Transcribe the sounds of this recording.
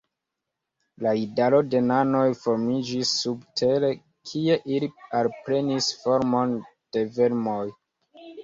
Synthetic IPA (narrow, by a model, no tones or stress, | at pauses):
laidalo̞de̞nano̞jfo̞ɾmid͡ʒisːubtʰe̞le̞ | kʰie̞ʔilialpɾe̞nisfoɾmo̞n | d̥e̞ve̞ɾmo̞j